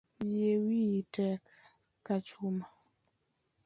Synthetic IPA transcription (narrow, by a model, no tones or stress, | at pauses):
jewitɛ | kat͡ʃuma